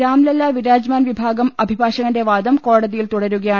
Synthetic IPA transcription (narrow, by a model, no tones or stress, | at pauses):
ɾaːmlɐlːaʋiɾaːd͡ʑmaːnʋibʱaːɡɐmɐbʱibʱaːɕɐɣɐnde̞ʋaːd̪ɐmko̞ːɽɐðijilt̪uɽɐɾuɣɐjaː